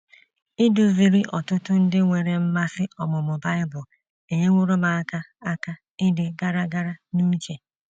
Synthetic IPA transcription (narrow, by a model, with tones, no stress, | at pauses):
ɪ˦du˨˦vi˨ɾi˦ʔɔ˨tʊ˦tʊ˦n̩˦dɪ˦ŋʷe˨ɾe˨m̩˦ma˦sɪ˦ʔɔ˨mʊ˨mʊ˨ba˦ɪ˦bʊ˨l | e˨ɲe˦ŋʷʊ˦ɾʊ˦ma˨a˦ka˦a˦ka˦ | ɪ˦dɪ˨ɡa˦ɾa˦ɡa˦ɾa˦nu˦t͡ʃe˨